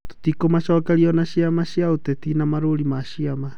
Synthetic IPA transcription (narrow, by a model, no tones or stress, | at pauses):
to̥tikomaʃɔːkaɾiɔnaʃiamaʃiaotetinamaɾoɾimaʃiama